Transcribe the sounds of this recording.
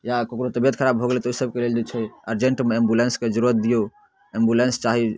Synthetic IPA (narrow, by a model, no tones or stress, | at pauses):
jakokɾot̪əbijət̪kʰəɾabʱoɡlɛt̪ɔosəbkeleld͡ʒot͡ʃʰɛəɾd͡ʒeɳʈmeembulensked͡ʒəɾuɾət̪̚d̪ijo | embulenst͡ʃaɦi